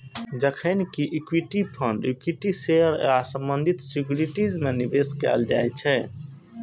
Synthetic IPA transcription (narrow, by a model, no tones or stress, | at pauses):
d͡ʒəkʰənkiʔikwiʈipʰəɳɖikwiʈiseəɾasə̃mbənd̪ʱit̪sikjuɾiʈid͡ʒmenibeskɛ̰ld͡ʒa̰jt͡ʃʰɛ